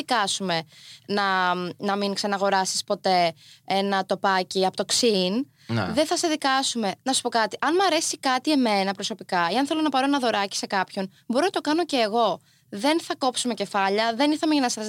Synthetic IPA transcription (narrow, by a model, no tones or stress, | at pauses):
ikɐsume̞nɐnɐminksɐnɐɣo̞ɾɐsi̥spo̞t̪e̞enɐt̪o̞pɐciɐpot̪oksin̰ | ðenθɐseðikɐsume̞nɐsu̥po̞kɐt̪iʔɐnmɐɾe̞sikɐt̪ie̞me̞nɐpɾo̞so̞pikɐiɐnθelo̞nɐpɐɾoenɐðo̞ɾɐci̥se̞kɐpço̞n | bo̞ɾonɐt̪o̞kɐno̞ce̞ːɣo̞ | ðe̞nθɐko̞psume̞ce̞fɐʎɐðe̞niθɐmeɐnɐsɐz